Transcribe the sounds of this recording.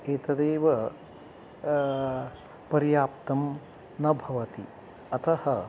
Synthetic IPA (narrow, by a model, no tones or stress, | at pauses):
eːt̪ɐd̪eːʋɐ | pɐɾijaːpt̪ɐm | nɐbʱɐʋɐt̪i | ɐt̪ɐhɐ